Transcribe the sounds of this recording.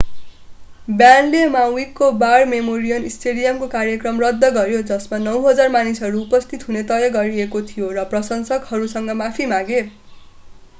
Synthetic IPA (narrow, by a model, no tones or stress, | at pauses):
bjanlemawikːobarmemoɾijʌnisʈeɽijʌmkokaɾjʌkrʌmrʌd̪ːʌɡʌɾjod͡zʌsmanʌwɦʌd͡zarmanisɦʌɾuːpʌst̪ʰit̪ɦunet̪ʌjʌɡʌɾiekot̪ʰijorʌprʌsʌnsʌɡhʌɾusʌŋɡʌmapʰimaɡe